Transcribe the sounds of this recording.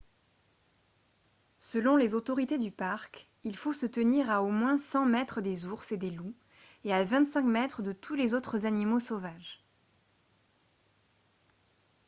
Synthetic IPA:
səlɔ̃lezot̪ɔʁit̪ed̪ypaʁk | ilfosət̪əniʁaomwɛ̃sɑ̃mɛt̪χəd̪ezuʁsed̪elu | eavɛ̃t̪sɛ̃kmɛt̪χəd̪ət̪ʰulezot̪χəzanimosovaʒ

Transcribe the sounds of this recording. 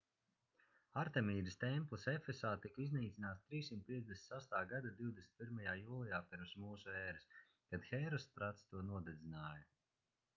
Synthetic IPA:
aɾt̪ɛmʲiːɾist̪ɛmplˠisefesaːt̪ikizniːt̪sʲinaːt̪st̪ɾiːsːimt̪̚pʲiɛzd̪ʲesʲsast̪aːɡad̪ad̪iwd̪esi̥nt̪piɾmajaːjuːlˠijaːpʲiɾmsmuːsuɛːɾɨs | kad̪xɛjɾɔspɾat̪st̪uɔnuɔd̪ɛd̪zʲinaːjɐ

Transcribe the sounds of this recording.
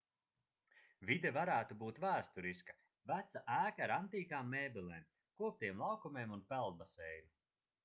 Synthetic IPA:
vid̪ɛvaɾæːt̪ubuːt̪væːst̪uɾiskḁ | væt̪saʔæːkaɾant̪iːkaːmːeːbilˠɛːm | kuɔp̚t̪iɛmlˠɑwkumeːmunpælˠd̪̚basɛjɾu

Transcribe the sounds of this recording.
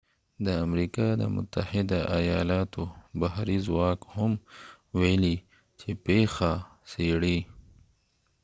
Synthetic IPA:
d̪əɐmɾiːkad̪ə̰mʊ̰t̪ːɐhɪd̪aʔɐjaːlaːt̪obɐɦɾizwaːkhʊm | weːli | t͡ʃʰepeːxaseɽi

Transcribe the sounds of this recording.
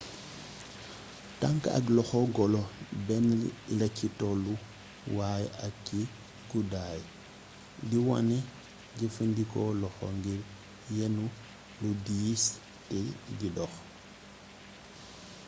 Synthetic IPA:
taŋkɐ̰klɔxɔɡɔlɔbɛnlɐcitɔlu | waːjɐkkːi | ɡudaːj | diwɔ̰nɛ | ɟifəndikɔlɔxɔ̰ŋɡiɾ | jɛnu | ludiːs | tɛɡidɔx

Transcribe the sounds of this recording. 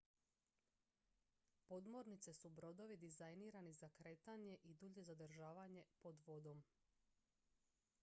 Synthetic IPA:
po̞d̪mo̞ɾnit̪se̞subɾo̞d̪o̞ʋid̪izajniːɾanizakɾe̞ːt̪aɲe̞ʔid̪uʎe̞zad̪r̩ʒaːʋaɲe̞po̞d̪ʋo̞d̪o̞m

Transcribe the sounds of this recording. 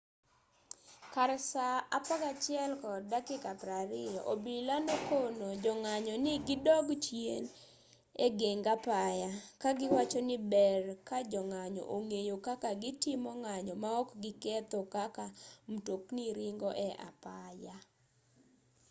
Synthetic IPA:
kaɾsaapaɡat͡ʃjɛlkɔdakɪkapɾaɾɪjɔʔobilandokonod͡ʒɔŋaɲɔnɪɡɪdɔɡt͡ʃjen | eɡeŋɡapajakaɡɪwat͡ʃɔnɪbɛrkad͡ʒɔŋaɲɔ̰ʔoŋejokakaɡɪtɪmɔŋaɲɔmaɔkɡɪkɛt̪ɔkakamutokniɾɪŋɡɔʔɛʔa̰paja

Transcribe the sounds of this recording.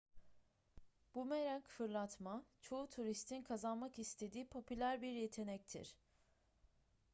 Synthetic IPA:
b̥umeɾæncfɯɾlˠat̪mat͡ʃʰo̞ut̪ʰuɾist̪ʰinkʰazanmakist̪ʰe̞d̪iːpʰo̞pylʲæɾbiɾje̞t̪ʰe̞nɛc̚t̪ʰḭɾ̥

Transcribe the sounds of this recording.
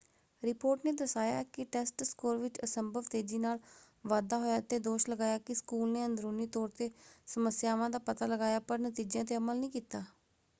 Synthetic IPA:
ɾɪpoːɾʈneːd̪əsaːja̰ːkɪʈɛːsʈskoːɾʋɪt͡ʃəsəmbʱəʋt̪eːd͡ʒiːnaːl | ʋaːd̪aːɦoːjaːt̪eːd̪oːʃləɡaːjaːkɪskuːlneːənd̪ɾoːniːt̪ɔːɾt̪eːsəməsjaːʋãːd̪aːpət̪aːləɡaːjaːpəɾnət̪iːd͡ʒjãːt̪eːəməlnĩːkiːt̪aː

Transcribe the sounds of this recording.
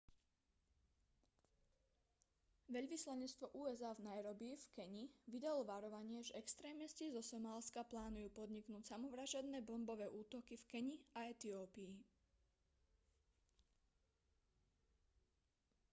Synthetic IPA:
ʋɛʎʋislaɲɛt͡st̪ʋɔʔuːɛzaːvnajɾɔbiːfkɛɲiʋid̪alɔʋaɾɔʋaɲɪɛʒɛɛkst̪ɾɛːmɛscizɔsɔmaːlskaplaːnujuːpɔd̪ɲiknuːcsamɔʋɾaʒad̪nɛːbɔmbɔʋɛːʔuːt̪ɔkifkɛɲiaɛt̪iɔːpiː

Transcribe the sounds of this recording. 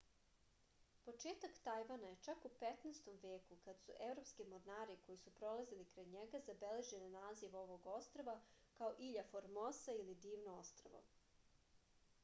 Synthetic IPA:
po̞t͡ʃeːt̪akt̪ajʋanaje̞t͡ʃakupet̪nest̪omʋeːkukad̪sṵʔe̞vɾo̞pskimoɾnaːɾiko̞jisupɾo̞lˠazilikɾajɲeɡazabele̞ʒenanaːziʋo̞ʋo̞ɡo̞st̪ɾoʋa | kaoʔiʎafoɾmosailid̪iːʋnoost̪ɾo̰ʋo̰

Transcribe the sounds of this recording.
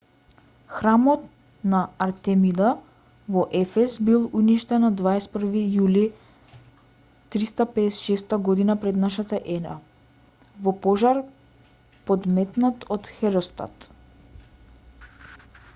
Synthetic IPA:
xɾamɔt̪ | naːɾt̪ɛmid̪a | vɔʔɛfɛsbilˠuniʃt̪ɛnad̪vaɛsɛt̪pər̩vijuli | t̪ɾist̪apɛɛsɛ̥ʃɛst̪aɡɔd̪inapɾɛd̪naʃat̪aʔɛna̰ | vɔpɔʒaɾ | pɔd̪mɛt̪nat̪ɔt̪xɛɾɔst̪a̰t̪

